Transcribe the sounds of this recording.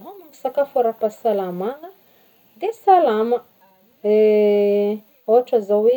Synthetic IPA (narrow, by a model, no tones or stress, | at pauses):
nomaŋisakafaɾapasalamaŋə | d̪esalamə | e | oɦaʈ͡ʂəzawe